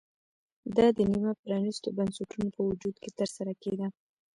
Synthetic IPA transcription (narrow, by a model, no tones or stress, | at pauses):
d̪ɑd̪ənimapɾɑnist̪obansaʈʰunopəwʊd͡ʒud̪̚ket̪əɾsaɾaked̪a